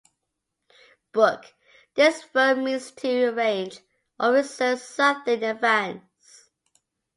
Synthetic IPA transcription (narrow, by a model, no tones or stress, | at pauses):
b̥ʊk | ðɪsfɜmĩnstʰəəɹẽɪ̃nd͡ʒ | ʔəɹɪsəsʌθə̃nəvæ̃n | s